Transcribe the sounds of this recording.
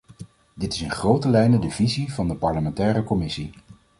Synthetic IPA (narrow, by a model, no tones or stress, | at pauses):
dɪtɪsɪnχrowtəlɛjnədəvizivɑndəpɑɹləmɛntɛːɾəkɔmɪsi